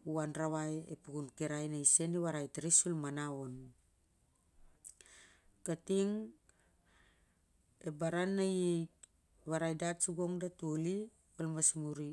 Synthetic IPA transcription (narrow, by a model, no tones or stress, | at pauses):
uanɾaβajḛpuɡunkiɾajnajse̞niβaɾajtɾisulmanaon | katiŋ | ebaɾanːajejk | βaɾajdatsuɡo̞ŋdatuli | olmasmuɾi